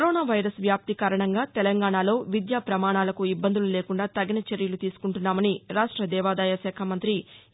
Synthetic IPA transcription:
kɐɾoːnaːʋɐjɾɐsʋjaːp̚t̪ikaːɾɐɳɐŋɡaːt̪ɛlɐŋɡaːɳaːlo̞ːʋid̪jaːpɾɐmaːɳaːlɐkuibːɐnd̪ulule̞ːkuɳɖaːt̪ɐɡinɐt͡ʃeɾjɐlut̪iːsu̥kuɳʈunːaːmɐniɾaːʂʈɾɐd̪ɛːʋaːd̪aːjɐʃɛːkʰɐmɐnt̪ɾi

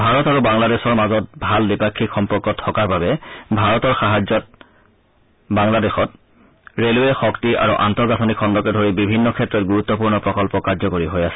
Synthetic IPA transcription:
bʱaɹɔtaɹubaŋladesɔɹmazɔt̚bʱaldipakʰːikxɔmpɔɹkːɔtʰːɔkaɹbabɛbʱaɹɔtɔɹxaɦad͡ʒɔt̚ | baŋladexɔt | ɹeluɛxɔktiʔa̰ɹuʔantɔɹɡatʰɔnikʰːɔndɔkɛdʱoɹibibʱinːɔkʰɛtːɹɔt̚ɡuɹut̪ːɔpuɹnɔpɹɔkɔlpɔkaɹzɔkoɹiɦojasɛ̥

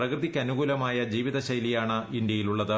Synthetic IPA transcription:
rɐkrɨðikʲːɐnuɣuːlɐmaːjɐd͡ʑiːʋiðɐɕɐjlijaːɳɨind̪jɐjiluɭːɐðɨ

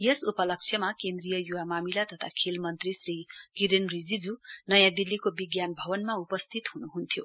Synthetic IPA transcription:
jesupʌlʌk̚t͡sʰjʌmakend̪rijʌjuwamamilat̪ʌt̪ʰakʰelmʌnt̪risriɡidenrid͡zid͡zunʌjãd̪ilːikobiɡjanbʱʌbʌnmaupʌst̪ʰit̪ɦunuɦunt̪ʰjo

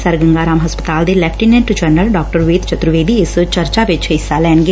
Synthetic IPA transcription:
səɾɡə̃ŋɡaːɾaːmɦəspət̪aːld̪eːlɛːpʰʈiːnɛ̃ɳʈd͡ʒənəlɖaːk̚ʈəɾʊʋeːt̪t͡ʃət̪ɾʊʋeːd̪iːɪst͡ʃəɾt͡ʃaːʋɪt͡ʃɦɪsːaːlɛːnɡe

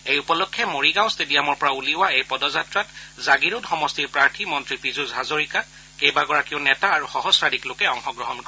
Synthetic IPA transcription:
ejupɔlɔkʰːjɛmoɹiɡãw̃stedijamɔɹpɔɹauliwaejpɔdɔzatɹatzaɡiɹudxɔmɔstiɹpɹaɹtʰimɔntɹipɹizuzʱazoɹika | kejbaɡɔɹakiʊnɛtaːɹuxɔɦɔsɹadiklokɛɔŋxɔɡɹɔɦɔnkɔ

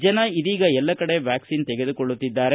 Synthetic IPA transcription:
d͡ʒɐnɐiðiːɡɐɛlːɐkɐɽe̞ʋjaːksiːnt̪ɛɡe̞d̪ukɔɭːut̪ːid̪ːaːɾe

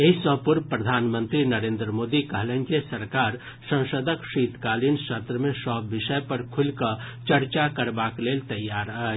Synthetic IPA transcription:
eɦisə̃ɦpʊɾpɾəd̪ʱaːnmə̃nt̪ɾinəɾeːnd̪ɾəmoːd̪ikəɦlẽnkesəɾkaːɾ | sə̃w̃səd̪ʱəkʃiːt̪kaːlinsət̪ɾəmẽsɔːɪʃəjpəɾkʰulkə | t͡ʃəɾt͡ʃakəɾbakleːlt̪ɐjːaːɾə

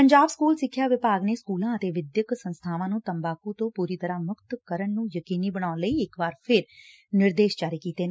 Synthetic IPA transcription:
pəɲd͡ʒaːbskuːlsɪkʰːjaːʋɪpaːɡneːskuːlãːət̪eːʋɪd̪jəksənst̪ʰaːʋãːnũːt̪əmbaːkũːt̪õːpuːɾiːt̪əɾaːmʊkt̪kəɾəɳnũːjəkiːniːbəɽ̃aːləiːɪkʋaːɾpʰɪɾ | nɪɾd̪eːʃt͡ʃaːɾeːkiːt̪eːn

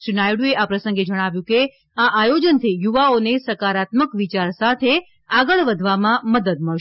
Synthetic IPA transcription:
ʃinajɽueʔapɾəsəŋɡed͡ʒəɽ̃aʋjũke | aʔajod͡ʒənt̪ʰijuʋaonesəkaɾat̪məkʋit͡ʃaɾsat̪ʰe | aɡəɭʋəd̪ʱʋamãməd̪əd̪̚məɭʃ

